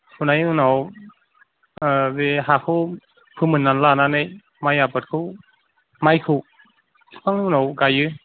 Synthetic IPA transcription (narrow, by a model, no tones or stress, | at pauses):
hunajɯnaw | zeɦakʰɯw | pʰɯmɯnːanlananɯj | majapɯt̚kʰɯ | majkʰɯw | maŋinawɡajɯ